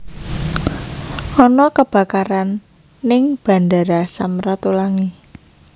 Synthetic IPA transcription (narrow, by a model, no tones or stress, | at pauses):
ɔnɔkəb̥a̤kaɾanː | ɪŋb̥a̤ndaɾasamɾat̪ulaŋi